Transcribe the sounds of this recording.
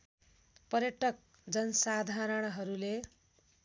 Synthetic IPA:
pʌrjʌʈʌk̚ | d͡zʌnʌsad̪ʱaɾʌɽ̃ʌɦʌɾule

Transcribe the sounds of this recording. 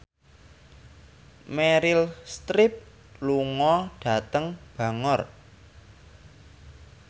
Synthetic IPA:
meɾɪlst̪ɾɪp̚ | luŋɔɖ̥a̤t̪əŋb̥ä̤ŋɔr

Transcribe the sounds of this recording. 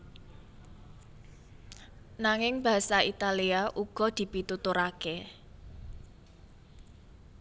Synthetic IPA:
naŋɪŋba̤ɦasait̪aliaʔuɡ̥ɔ̤d̪̥i̤pit̪ut̪uɾake

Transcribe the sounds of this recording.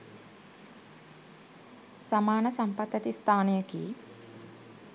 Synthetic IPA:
samaːnəsampat̪ːɛt̪ist̪ʰaːnejəkḭː

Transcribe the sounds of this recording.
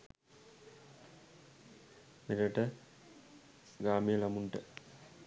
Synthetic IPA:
miɾəʈə | ɡaːmijəlɐmuɳʈə

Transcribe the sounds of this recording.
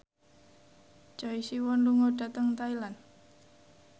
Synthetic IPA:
t͡ʃɔisiwɔnluŋodat̪əŋt̪ailan

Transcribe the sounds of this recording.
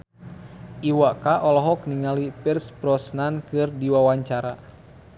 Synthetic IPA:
ʔiwakaʔɔlɔɦɔk̚niŋalipirspɾɔsnankɨrdiwawaɲt͡ʃaɾa

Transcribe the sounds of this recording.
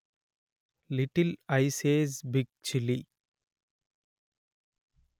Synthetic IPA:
lɪʈɪlaɪseːzbɪɡ̚t͡ʃɪli

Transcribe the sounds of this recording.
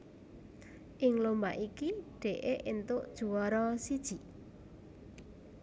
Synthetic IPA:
ʔɪŋlomba̰ʔikiɖ̥e̤ʔeʔint̪ʊʔd̥ʒ̥ṳwɔɾɔsid̥ʒ̥i̤ʔ

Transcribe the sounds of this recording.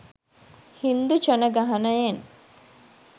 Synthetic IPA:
hind̪ut͡ʃənəɡaɦɐnəjen

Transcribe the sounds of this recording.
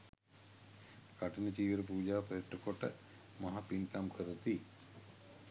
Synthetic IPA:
ɡ̥aʈɐnət͡ʃiːʋəɾəpuːd͡ʒaːpɐjiʈːəkoʈə̰ | mɐɦapinkamkʰəɾət̪i

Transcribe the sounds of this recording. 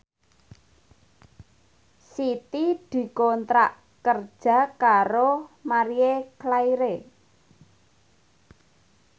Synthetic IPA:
sit̪id̪̥i̤kɔnt̪ɾaʔ | kərd̥ʒ̥a̤kaɾomaɾieklaiɾe

